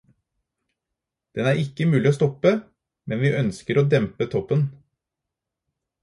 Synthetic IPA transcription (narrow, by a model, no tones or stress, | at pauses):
d̪̥ɛnæːɾɪkəmʉːlɪoːst̪ɔpə | mɛnʋiːʔœnskəɾoːd̪ɛmpət̪ʰɔpːən